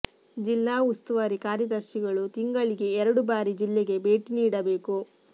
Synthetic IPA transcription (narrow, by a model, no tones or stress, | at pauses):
d͡ʒilːaːust̪uʋaɾikaːɾjɐd̪ɐɾʃiɡɐɭut̪iŋɡɐɭiɡe̞ːɾɐɽubaːɾid͡ʒilːeɡe̞be̞ːʈiniːɽɐbe̞ːku